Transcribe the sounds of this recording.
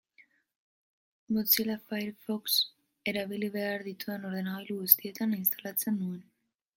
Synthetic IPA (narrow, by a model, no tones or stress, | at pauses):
mott͡silafajɾfoks | eɾaβiliβeaɾðit̪oanoɾðenaailuest̪iet̪anins̬t̪alat͡senːuen